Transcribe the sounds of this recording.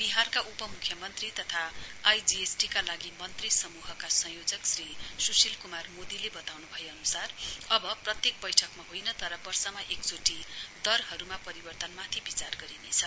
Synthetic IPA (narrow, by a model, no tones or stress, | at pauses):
biɦarkaʔupʌmukʰːjʌmʌnt̪rit̪ʌt̪ʰaːjd͡ziesʈikalaɡimʌnt̪risʌmuɦʌkasʌ̃jod͡zʌksrisusilkumarmod̪ilebʌt̪awnubʱʌjeʌnusarʌbʌprʌt̪jek̚bʌjʈʰʌkmaɦojnʌt̪ʌɾʌbʌrsʌmaʔekd͡zoʈid̪ʌrɦʌɾumapʌɾibʌrt̪ʌnmat̪ʰibit͡sarɡʌɾinet͡sʰʌ